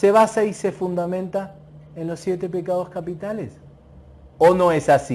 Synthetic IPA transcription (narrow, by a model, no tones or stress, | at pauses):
seβasaisefund̪amẽnt̪a | ẽnlosːjet̪epekað̞oskapit̪ales | onõesasi